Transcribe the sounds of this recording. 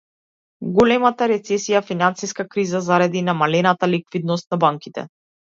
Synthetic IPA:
ɡɔlɛmat̪aɾɛt̪sɛsijafinansiskakɾizazaɾad̪inamalɛnat̪alikvid̪nɔst̪̚nabaŋkit̪ɛ̰

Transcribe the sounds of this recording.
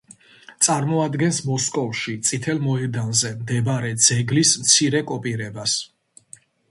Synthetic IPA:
t̪sʼaɾmɔad̪ɡɛnsmɔskʼɔvʃit̪sʼit̪ʰɛlˠmɔɛd̪anzɛmd̪ɛbaɾɛd̪z̥ɛɡlismt̪sʰiɾɛkʼɔpʼiɾɛbas

